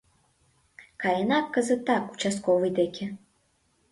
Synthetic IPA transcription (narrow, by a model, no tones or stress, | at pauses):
kalʲɛnakːɐzɨt̪akut͡ʃaskɔvɨjd̪ɛkʲʰɛ